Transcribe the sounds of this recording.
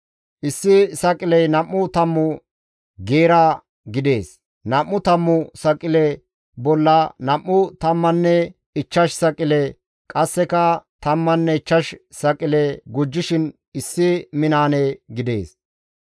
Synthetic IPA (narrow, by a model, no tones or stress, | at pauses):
ʔɪsːɪsɐkʼɪlɛjnɐmːʊt̪ɐmːʊ | ɡeːɾa | ɡɪd̪e̞ːs | nɐmːʊt̪ɐmːʊsɐkʼːɪlɛ | bɔlːɐnɐmːʊt̪ɐmːɐnːɛ | ɪt͡ʃːɐʃsɐkʼɪlɛ | kʼɐsːɛkɐt̪ɐmːɐnːɛɪt͡ʃːɐʃsɐkʼɪlɛɡʊd͡ʒːɪʃɪn | ɪsːɪmɪnaːneɡɪd̪e̞ːs